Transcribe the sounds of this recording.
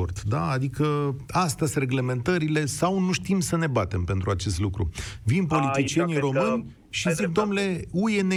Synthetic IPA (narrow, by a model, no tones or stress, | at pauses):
ort̪d̪aːd̪ikəast̪əsʲre̞ɡle̞me̞nt̪əɾile̞sawnuʃt̪imsəne̞bat̪e̞mpe̞nt̪ɾuat͡ʃe̞st̪lukɾṵvinpo̞lit̪it͡ʃie̞niɾo̞mɨnʲ | ʃizik̚d̪o̞mnle̞uje̞ne